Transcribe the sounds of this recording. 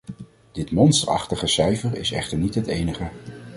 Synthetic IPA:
d̥ɪtmɔnstəɹɑ̰χtəχəsɛjvəɹɪ̰sɛ̰χtəɹnitɦətejnəχə

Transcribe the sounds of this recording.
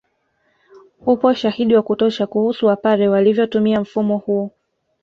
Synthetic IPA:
hupɔʃahiɗiwakutɔʃakuhusuwapaɾɛwalivjɔtumiam̩fumɔhuɔ

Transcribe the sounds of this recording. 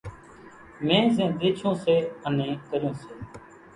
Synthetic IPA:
mẽːzɛ̃ːd̪eːt͡ʃʰõːseːənẽːkəɾjõːseː

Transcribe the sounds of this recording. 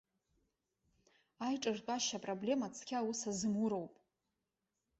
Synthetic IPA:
ajʈ͡ʂʼɨrkʼaʃapʼroble̞mat͡sʰkʲʰawusazɨmuɾo̞wpʼ

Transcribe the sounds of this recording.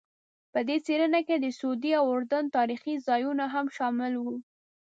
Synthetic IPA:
pəd̪et͡seɾənaked̪əsod̪iawʊɾd̪ant̪ɑɾixizɑjunaɦamʃɑmɪlwu

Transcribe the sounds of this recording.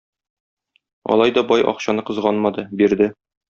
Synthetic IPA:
ɒ̰lˠɑjd̪ɒbɒjʔɒ̰qɕɑnɤqɤ̆zʁɑnmɑd̪ɤbiɾd̪ɘ

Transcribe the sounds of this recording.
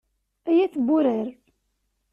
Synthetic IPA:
æjæt͡sːbuɾəɾ

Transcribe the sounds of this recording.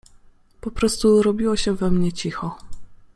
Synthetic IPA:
pɔpɾɔst̪uɾɔbʲiwɔɕɛvɛmɲɛt͡ɕixɔ

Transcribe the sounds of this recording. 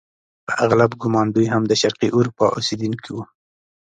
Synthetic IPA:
pəʔaɣlabɡʊmɑnd̪ujɦamd̪əʃaɾqiʔuɾupɑ̰ʔused̪unkʰiwu

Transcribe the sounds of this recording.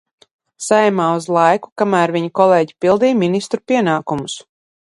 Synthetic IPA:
sajɛmaːuzlˠajku̥kamæːɾviɲakɔlˠeːɟi̥pilˠd̪iːminist̪ɾupiɛnaːkumus

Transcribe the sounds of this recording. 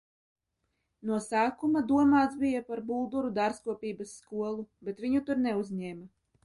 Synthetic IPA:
nuɔsæːkumad̪uɔmaːt̪sbijapaɾbuːd̪uɾud̪aɾskuɔpʲiːbasːkuɔlˠubet̪vʲiɲut̪uɾnɛuzɲɛːma

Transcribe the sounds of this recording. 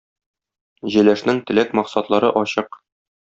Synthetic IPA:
ʑɘ̆læʃnɘŋt̪ɘ̆lækmɒqsɑt̪lˠɑɾɤʔɒɕɤq

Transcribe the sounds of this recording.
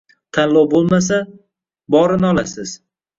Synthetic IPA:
t̪ʰanlɒwbolˠmas̬a | bɒɾɪnɪɒlˠasɪz̥

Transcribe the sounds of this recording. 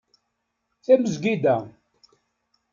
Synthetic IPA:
θæməzɡid̪æ

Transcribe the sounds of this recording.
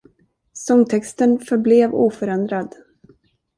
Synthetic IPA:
sɔŋt̪ʰɛkst̪ənfœɾbleːvṵːfœɾɛnd̪ɾad̪

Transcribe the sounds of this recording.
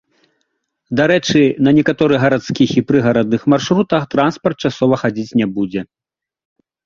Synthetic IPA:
d̪aɾɛt͡ʂɨnɐnʲɛkat̪ɔɾɨɣɐɾat̪skʲixipɾɨɣɐɾɐd̪̚nɨxmarʂɾut̪ɐxt̪ɾanspɐrt̪̚t͡ʂasɔvɐxad͡zʲit͡sʲnʲɛbud͡zʲɛ

